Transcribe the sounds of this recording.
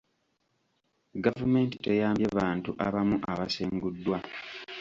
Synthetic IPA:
ɡavume̞ːnti̥tejaːmeβaːntuʔaβamuʔaβaseːŋɡudːwa

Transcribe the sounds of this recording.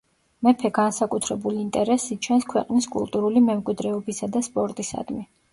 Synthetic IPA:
mɛpʰɛɡansakʼut̪ʰɾɛbuliːnt̪ʼɛɾɛsit͡ʃʰɛnskʰwɛ̰qʼniskʼṵlˠt̪ʼuɾulimɛmkʼwid̪ɾɛɔbisad̪aspʼɔɾt̪ʼisa̰d̪mi

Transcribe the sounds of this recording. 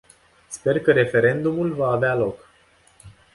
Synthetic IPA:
spe̞rkəɾe̞fe̞ɾe̞nd̪umulvaːvealo̞k

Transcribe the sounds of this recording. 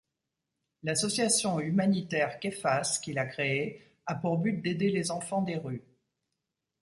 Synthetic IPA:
lasɔsjasjɔ̃ymanit̪ɛʁkʲefaskʲilakχee | apuʁbyt̪̚d̪ed̪elezɑ̃fɑ̃d̪eʁy

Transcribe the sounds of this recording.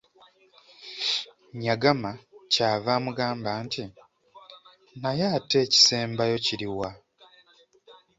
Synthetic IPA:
ɲaɡamacaːvaːmuɡaːmbaːnti | najaːte̞ːci̥se̞ːmbajo̞ciɾiwa

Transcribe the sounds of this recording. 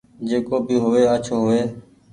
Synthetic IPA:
d͡ʒeːkoːbiːɦoʋeːət͡ʃʰoːɦoʋeː

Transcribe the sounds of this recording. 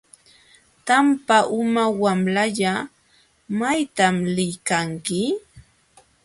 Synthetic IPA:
t̪ampaʔʊmawamlaʎa | majt̪amlɪjkaŋkɪ

